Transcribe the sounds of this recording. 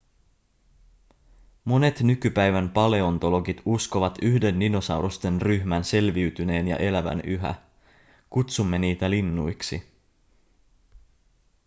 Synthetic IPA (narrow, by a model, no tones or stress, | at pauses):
mo̞ne̞t̪nykypæjʋæmpɑle̞ont̪o̞lo̞ɡit̪usko̞ʋɑt̪yhde̞nːino̞sɑwɾost̪e̞nryçmænse̞lʋiɥt̪yne̞ːnjɑ̰ʔe̞læʋæ̰nyɦæ̰ | kut̪sumːe̞niːt̪ælinːṵjksḭ